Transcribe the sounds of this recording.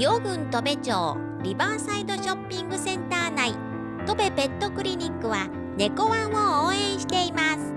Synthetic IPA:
jo̞ɡɯ̟̃nt̪o̞be̞t͡ɕo̰ː | ɾʲibasaid̪o̞ɕo̞pʲːĩŋɡɯ̟sẽ̞nt̪aːnai | t̪o̞be̞bẽ̞nt̪ːokɯ̟ɾʲiɲ̟ʲikːɯ̟βa | ne̞ko̞βãɰ̃ooːẽ̞ɰ̃ɕi̥t̪e̞imasɨ̥

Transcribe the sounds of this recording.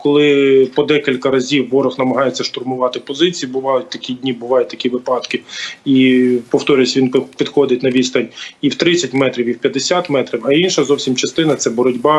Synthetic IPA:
kɔlˠɪpɔd̪ɛkʲilʲkɐɾɐzʲiwːɔɾɔxnɐmɐɦɑjet͡sʲːɐʃt̪ʊrmʊʋɑt̪ɪpɔzɪt͡sʲijibʊʋɑjʊt̚ʲt̪ɐkʲidʲnʲibʊʋɑjʊt̚ʲt̪ɐkʲiʋɪpɑd̪kɪipɔwt̪ɔɾʲʊjsʲʋinpʲid̪xɔd̪ɪt̚ʲnɐʋʲist̪ɐnʲiwt̪ɾɪt͡sʲɐtʲmɛt̪ɾʲiwiwpʲjɐd̪esʲat̪mɛt̪ɾʲiwɐinʃɐzɔwsʲimt͡ʃɐst̪ɪnɐt̪sɛbɔɾɔdʲbɑ

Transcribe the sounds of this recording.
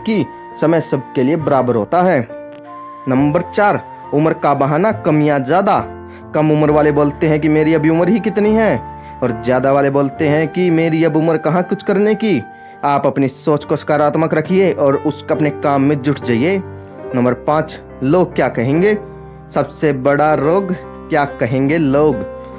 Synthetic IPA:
ki | sɐməjsɐb̚ʱkeliebɐɾaːbəɾɦoːt̪aɦɛː | nɐ̃mbəɾt͡ʃaːɾ | ʊməɾkabəɦaːnakɐmijazjaːd̪a | kɐmʊməɾʋaːleboːlt̪eɦɛ̃k̬imeːɾiɐbʱiʊməɾɦikɪt̪niɦɛ | ɔːɾzjaːd̪aʋaːleboːlt̪eɦɛ̃kimeːɾiɐbʊməɾkɐɦãkʊt͡ʃʰkɐɾneki | aːpɐpnisoːt͡ʃkoskaːɾaːt̪məkɾɐkʰieʔɔːɾʊskɐpnekaːmːẽd͡ʒʊʈʰd͡ʒaːie | nɐ̃mbəɾpãːt͡ʃ | loːɡ̚kjaːkɐɦẽːŋɡeː | sɐbsebɐɽaɾoːɡ | kjaːkɐɦẽːŋɡeloːɡ

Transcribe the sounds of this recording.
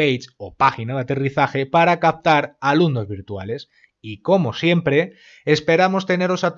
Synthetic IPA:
ejt͡ʃopaxinaðat̪e̞riθaxe̞paɾakap̚t̪aɾalunno̞zβiɾt̪ua̰le̞s | iko̞mo̞sje̞mpɾe̞ː | spe̞ɾamo̞st̪e̞ne̞ɾo̞sat̪

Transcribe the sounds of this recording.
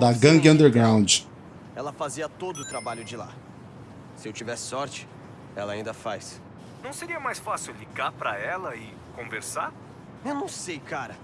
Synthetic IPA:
d̪ɐɡɐ̃ŋɡɐ̃nd̪eɾɡɾãw̃nd͡ʒɪ | ɛlɐfaziɐt̪od̪ʊːt̪ɾabaʎʊd͡ʒɪla̰ | sɪewt͡ʃivɛsɪ̥sɔɾt͡ʃɪ̥ | ɛlɐaĩnd̪ɐfajs | nɐ̃w̃seɾiɐmajsfasɪwliɡaɾpɾɐɛlɐɪ | kõveɾsaɾ | ewnɐ̃w̃sejkaɾɐ

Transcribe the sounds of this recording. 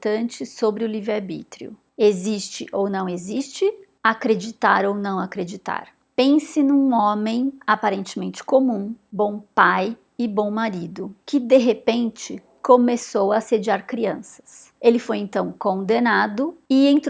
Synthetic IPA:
t̪ɐ̃nt͡ʃɪsobɾɪʊlivɪaɾbḭt̪ɾḭʊ̰ | ezist͡ʃɪʔownɐ̃w̃ezist͡ʃɪ | akɾed͡ʒit̪aɾownɐ̃w̃akɾed͡ʒit̪a̰ɾ | pẽsɪnũɔmẽj̃apaɾẽnt͡ʃɪmẽnt͡ʃɪ̥komũbõw̃paj | ɪbõw̃maɾid̪ʊkɪd̪eɦepẽnt͡ʃɪ | komesowɐsed͡ʒiaɾkɾiɐ̃sɐ̥s | elɪfojẽnt̪ɐ̃w̃kõnd̪enad̪ʊɪẽnt̪

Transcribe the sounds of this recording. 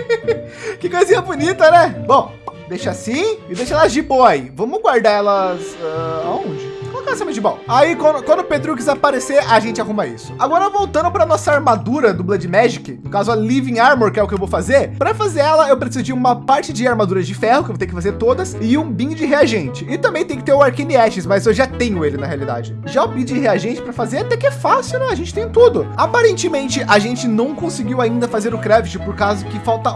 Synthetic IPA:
kɪkojzĩɲɐbunit̪ɐnɛbõw̃ | d̪ejʃasĩɪd̪ejʃɐɛlɐzd͡ʒɪboaivɐ̃mʊɡwaɾd̪aɛlɐsɛaõd͡ʒɪkolɔkɐɛsẽmɐd͡ʒɪbõwaikɐ̃d̪ʊkwɐ̃nd̪ʊped̪ɾuk̬izapaɾeseɾaʒẽnt͡ʃɪaɦũmɐḭsʊ̥aɡɔɾɐvowt̪ɐ̃nd̪ʊpɾɐnɔsɐaɾmad̪uɾɐd̪ʊblɐd͡ʒɪmɛʒɪkɪnʊkazʊalivĩaɾmoɾkɪɛʊkɪewvowfazeɾpɾɐfazeɾɛlɐewpɾesizʊd͡ʒɪũmɐpaɾt͡ʃɪd͡ʒɪaɾmad̪uɾɐd͡ʒɪfɛhʊkɪwot̪ekɪfazeɾt̪od̪ɐsɪũbĩʊd͡ʒɪɦeaʒẽnt͡ʃɪɪt̪ɐ̃mbẽj̃t̪ẽj̃kɪ̥t̪eɾʊaɾkẽnɪɛʃɪsmɐzewʒat̪ẽɲʊelɪnɐɦealid̪a̰d͡ʒɪ | ʒaobid͡ʒɪɦeaʒẽt͡ʃɪ̥pɾɐfazeɾat̪ɛkɪɛfasɪʊwnɛ̃ɐʒẽnt͡ʃɪ̥t̪ẽj̃ʊ̃t̪ud̪ʊapaɾẽnt͡ʃɪmẽnt͡ʃɪʔaʒẽnt͡ʃɪnɐ̃w̃kõsɪɡiwaĩnd̪ɐfazeɾʊkɾɛvɪt͡ʃɪpoɾkazʊkɪfawt̪ɐ

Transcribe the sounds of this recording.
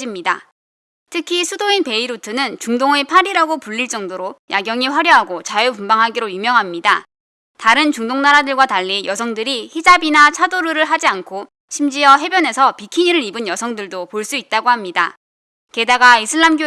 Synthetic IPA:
d͡ʑimɲida | tʰɯkʰisʰudoinpe̞iɾutʰɯnɯnt͡ɕuŋdoŋe̞pʰaɾiɾaɡopuʎːiɭt͡ɕ͈ʌŋdoɾojaɡjʌŋiɸwaɾjʌɦaɡot͡ɕajepumbaŋɦaɡiɾojumjʌŋɦamɲida | taɾɯnt͡ɕuŋdoŋnaɾadɯɭɡwataʎːijʌsʰʌŋdɯɾihid͡ʑabinat͡ɕʰadoɾɯɾɯɭɦad͡ʑiankʰo | ɕʰimd͡ʑiʌɦe̞bjʌne̞sʰʌpikʰiɲiɾɯɾibɯnjʌsʰʌŋdɯɭdopoɭs͈uit̚t͈aɡohamɲida̰ | ke̞daɡaisʰɯɭːamɡo

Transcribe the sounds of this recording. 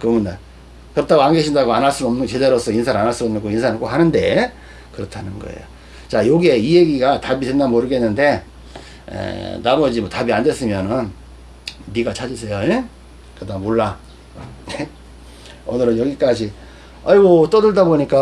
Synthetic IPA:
kɯmunda | kɯɾʌtʰaɡoanɡeɕʰindaɡoanaɭs͈udʌmnɯɡt͡ɕe̞deɾosʰʌinsʰananaɭsudoʌmnɯnɡoinsʰanɯɭk͈oɦanɯnde̞ | kɯɾʌtʰanɯnɡʌ̰ḛjo | t͡ɕajoɡie̞ijeɡiɡatabitenːanmoɾɯɡe̞nːɯnde̞ | ḛnamʌd͡ʑimʌtabiandes͈ɯmjʌnɯnː | iɡat͡ɕʰad͡ʑisʰejoe | kɯdamoɭːa | ne | ʌnɯɾɯnjʌɡik͈ad͡ʑi | ʌɾiɡot͈ʌdɯɭdaboɲik͈a

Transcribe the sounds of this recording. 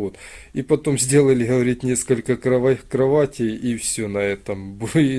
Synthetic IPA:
ot̪ipɐt̪o̞mzʲdʲe̞lˠəlʲɪɦɐvɐɾʲit̪̚ʲnʲe̞skəlʲkəkɾɐakɾɐvatʲɪjifsʲɵnɐɛt̪əmb

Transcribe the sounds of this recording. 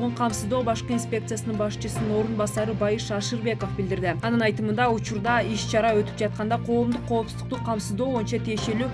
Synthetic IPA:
ʁuɴqʰɑmsɨzd̪o̞ːbɑʃqəinspʲe̞kt̪sɨjasənɨɴbɑʃt͡ʃɨsɯnɯno̞ɾunbɑsɑɾɯbɑjɯʃɑʃɨɾbe̞ko̞fbɪld̪ɪɾd̪ɪɑnɯnɑjt̪ɯmɯnd̪ɑut͡ʃuɾd̪ɑiʃt͡ʃʰɑɾɑø̞t̪y̥p̚d͡ʒɑt̪̚qɑnd̪ɑqʰo̞ːmd̪uqʰːo̞ːpsuzd̪u̥q̚t̪uqʰːɑmsɨzd̪o̞ːbo̞jint͡ʃɑt̪ʰije̞ʃe̞lyː

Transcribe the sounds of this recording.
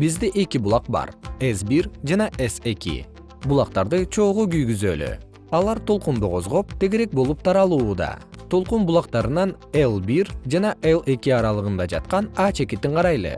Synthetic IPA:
bizd̪eʔe̞kibulˠɑqbɑ̰ɾesbiɾd͡ʒɑnɑʔese̞kḭ | bulˠɑq̚t̪ɑɾd̪ɯt͡ʃʰo̞ːʁoɡyjɡyzø̰ːly̰ | ɑlˠɑɾt̪ʰo̞lˠqund̪uqʰo̞zʁo̞p̚t̪ʰe̞ɡeɾek̚bo̞lˠup̚t̪ʰɑɾɑlˠuːd̪ɑ̰t̪ʰo̞lˠqumbulˠɑqt̪ɑɾɯnɑnelˠbiɾd͡ʒɑnɑʔelˠe̞kiɑɾɑlˠɯʁɯnd̪ɑd͡ʒɑ̰t̪̚qɑnɑːt͡ʃe̞kit̪ːiɴqʰɑɾɑjlˠɯ̰

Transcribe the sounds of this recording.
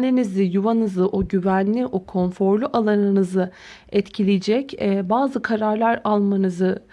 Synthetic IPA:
lʲinizɪjuvanɯzˠɯʔoɟyvænlʲiʔokʰo̞nfo̞ɾlʲˠyʔalˠanɯnɯzɯ | ɛt̪cʰilʲijd͡ʒɛcɛbaːzɯkʰaɾaɾlˠaɾalˠmanɯzɯ

